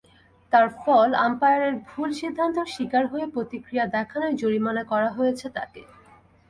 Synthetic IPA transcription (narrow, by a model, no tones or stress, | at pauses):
t̪aɾfɔla̰mpajaɾeɾbʱulʃid̪ʱːant̪oɾʃikaɾɦoepɾot̪ikɾijad̪ɛkʰanoɾd͡ʑoɾimanakɔɾaɦojet͡ɕʰet̪a̰ke